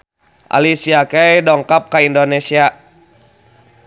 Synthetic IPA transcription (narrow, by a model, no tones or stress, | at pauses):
ʔa̰lisiakɛjdɔŋkap̚kaindonesia